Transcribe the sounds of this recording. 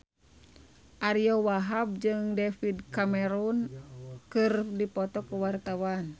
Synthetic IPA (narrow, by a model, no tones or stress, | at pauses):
ʔaɾiɔwaɦab̚d͡ʒɨŋdɛfidkamɛɾunkɨrdipɔt̪ɔkuwart̪awan